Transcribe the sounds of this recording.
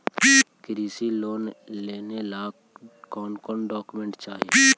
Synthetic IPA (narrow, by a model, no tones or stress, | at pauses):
kɾiːsiloːnleːnelaː | kɔːnkɔːɳɖɔːkumẽɳʈt͡ʃaːɦie